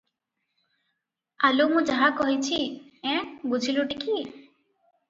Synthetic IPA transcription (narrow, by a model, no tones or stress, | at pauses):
alumũd͡ʒaɦakɔɦit͡ʃʰiɛ̃bud͡ʒʱiluʈiki